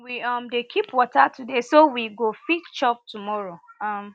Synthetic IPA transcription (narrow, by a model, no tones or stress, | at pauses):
wiʌmdekʰipwɔtatudesowiɡofikt͡ʃɔp̚tumɔɹoʌm